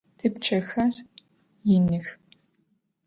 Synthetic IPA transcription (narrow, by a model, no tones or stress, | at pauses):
tʰɨpt͡ʃʼʰɐxɐr | jɪnɨx